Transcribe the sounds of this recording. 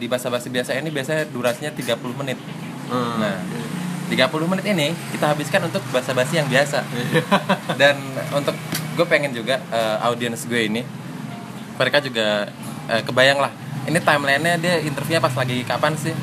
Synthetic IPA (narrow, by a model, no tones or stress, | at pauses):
dibaasabasibiasainibiasaduɾasɲat̪iɡapulʊhmənɪt̪̚ | naht̪iɡapulʊhmənɪt̪inɪkit̪aɦabiskanunt̪ʊk̚basabasijaŋbiasa | danunt̪ʊk̚ɡuapeŋɛnd͡ʒuɡaəʔa̰udiɛnsɡuaini | məɾekad͡ʒuɡa | ʔəːkəbajaŋlah | init̪aimlainɲadiaint̪ərfuɲapaslaɡikapansɪh